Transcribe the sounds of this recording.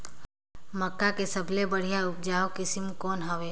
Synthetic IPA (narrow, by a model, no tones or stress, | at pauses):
məkːakesɐbʱlebəɽ̤ijaʊp̚d͡ʒaːokɪsɪmkɔːnɦəʋeː